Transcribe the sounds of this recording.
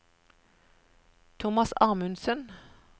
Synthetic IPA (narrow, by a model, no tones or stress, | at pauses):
t̪ʰʊmɑsɑːmʉnsən